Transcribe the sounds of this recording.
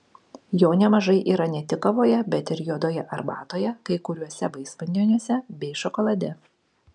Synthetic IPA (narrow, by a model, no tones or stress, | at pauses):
joːnʲɛmɐʒɐɪʔiːɾɐnʲɛt̪ʲɪkɐʋoːjɛbʲɛt̪ɪɾjuɔd̪oːjɛʔɐɾbɑ̰ːt̪oːjɛkɐɪkʊɾʲuɔsʲɛbɐɪsʋɐnʲd̪ʲoːnʲuɔsʲɛbʲɛɪʃɔkɔlˠɐd̪ʲɛ